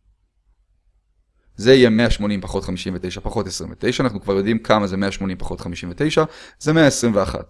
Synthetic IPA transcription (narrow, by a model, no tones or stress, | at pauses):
zeijeme̞aʃmo̞nimpaχo̞t̪χamiʃimvet̪e̞jʃapaχo̞t̪esʁimvet̪e̞jʃaːnaχnukvaʁjo̞d̪imkʰamazemeaʃmo̞nimpaχo̞tχamiʃimvet̪e̞jʃazemeaesʁimveaχa̰t